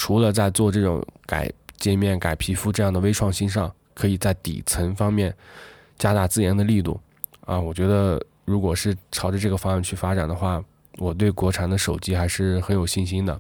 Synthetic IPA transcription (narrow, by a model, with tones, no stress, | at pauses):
ʈ͡ʂʰu˧˥lə˧t͡sa˥˧ɪt͡swɔ˥˧ʈ͡ʂɤ˥˩ʈ͡ʂʊ̰˧˥ŋka̰˨˩ɪt͡ɕjɛ˥˧mjɛ˥˩nka˨˩ɪpʰi˧˥fu˥ʈ͡ʂɤ˥˧jɑ˥˩ŋd̪ə˩we˥ɪʈ͡ʂʰwɑ˥˧ŋɕi˥nʂ̬ɑ˥˩ŋ | kʰɤ˧˥i˨˩t͡sa˥˩ɪt̪ḭ˨˩t͡sʰə˧˥ŋfɑ˥ŋmjɛ˥˩n | t͡ɕja˥t̪a˥˧t͡sɹ̩˥˩jɛ˧˥nd̪ə˧li˥˧t̪ṵ˥˩ | a˥˧wɔ˨˩t͡ɕɥɛ˧˥d̪ə˧ | ɻu˧˥kwɔ˨˩ʂɻ̩˥˩ʈ͡ʂʰɑ˧˥ʊʈ͡ʂə˧ʈ͡ʂɤ˥˩ɡə˩fɑ˥ŋa˥˧nt͡ɕʰy˥˩fa˥ʈ͡ʂa̰˨˩nd̪ə˦xwa˥˩ | wɔ˨˩t̪̬we˥˩ɪkwɔ˧˥ʈ͡ʂʰa˨˩nd̪ə˦ʂo˨˩ʊt͡ɕi˥xa˧˥ɪʂɻ̩˥˩xə˧˥njo˨˩ʊɕi˥˩nɕi˥nd̪ə˨